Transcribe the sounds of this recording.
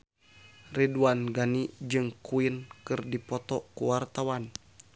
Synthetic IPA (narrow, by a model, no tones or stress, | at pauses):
riduanɡanid͡ʒɨŋkuinkɨrdipɔt̪ɔkuwart̪awan